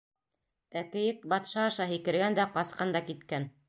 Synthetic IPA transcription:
ækɘ̆jɘk̚bɑt̪ʃɑːʃɑɦikɘ̆ɾɡænd̪æqɑsqɑnd̪ɑkit̪kæn

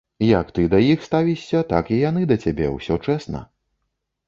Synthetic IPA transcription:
jɐkt̪ɨd̪ɐjixst̪avʲiɕʲːɐt̪a̰kijan̪ɨd̪ɐt͡sʲabʲɛwsʲɔt͡ʂɛsnɐ̰

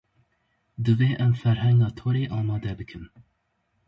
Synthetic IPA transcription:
d̪ɨveːʔɛmfɛɾɦɛŋɡɑːt̪ʰoːɾeːʔɑːmɑːd̪ɛbɨkʰɨm

